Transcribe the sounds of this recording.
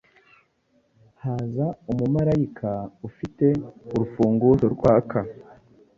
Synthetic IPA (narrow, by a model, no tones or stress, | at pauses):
haːzaumumaɾajikʰaufite̞uɾufuːŋɡuzoɾɡwaːkʰa